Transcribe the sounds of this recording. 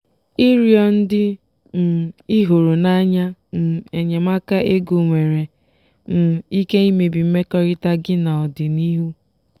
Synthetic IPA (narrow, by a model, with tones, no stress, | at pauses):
i˦ɾi˨ɔ˦n̩˦dɪ˦ | m̩˨i˦ɦo˨ɾo˨na˦ɲa˦m̩˨e˨ɲe˨ma˦ka˦e˦ɡu˨ŋʷe˨ɾe˨ | m̩˦˨i˦ke˦i˦me˨bi˨m̩˦me˦kɔ˦ɾɪ˦ta˦ɡɪ˦na˨ɔ˨dɪ˨ni˦ɦu˦